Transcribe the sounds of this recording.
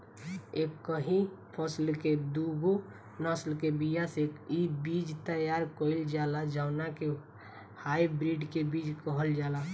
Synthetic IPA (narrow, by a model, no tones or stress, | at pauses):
eːbkəɦĩ | pʰəslked̪uɡo | nəslkebijaseibid͡ʒt̪əjaːɾkoɪld͡ʒaːlad͡ʒaʊnake | haːibɾiɖkebiːd͡ʒkəɦəld͡ʒaːla